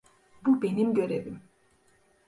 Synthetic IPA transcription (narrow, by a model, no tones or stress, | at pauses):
bube̞nimɟø̞ɾevim